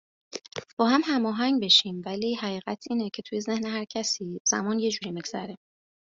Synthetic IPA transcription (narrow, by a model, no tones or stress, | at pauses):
b̥ɒːhæmhæmɒːɦæŋɟbe̞ʃiːmvæliːhæɣiːɣæt̪ʰiːnecʰe̞t̪ʰuje̞ze̞hneɦæɾcʰæsiːz̥æ̰mɒːnje̞d͡ʒuːɾiːmiɡz̥æɾe